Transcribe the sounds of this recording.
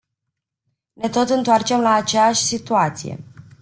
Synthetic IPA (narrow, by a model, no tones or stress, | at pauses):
ne̞t̪o̞t̪ɨnt̪oart͡ʃe̞mlaːt͡ʃejaʃʲsit̪uat̪sije̞̰